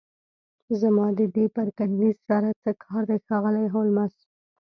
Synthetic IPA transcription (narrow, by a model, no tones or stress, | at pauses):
zamɑd̪əd̪epaɾkanlizsaɾat͡səkʰɑɾd̪ajxɑɣəlajɦowlmas